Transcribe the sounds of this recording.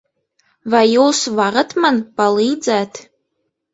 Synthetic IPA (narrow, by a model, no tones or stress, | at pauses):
vajowsvaʁətʰmanpalijd͡zʼatʰ